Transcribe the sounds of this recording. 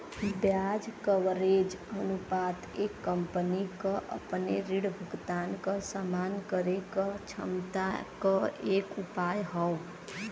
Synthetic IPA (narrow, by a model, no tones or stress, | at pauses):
bjad͡ʒkəʋɾed͡ʒənupaːt̪eːkːəmpənikəʔə̰pneɾiɽbʱəɡt̪aːnkəsamaːnkəɾekət͡ʃʰə̰mt̪akəeːkupaːjɦəw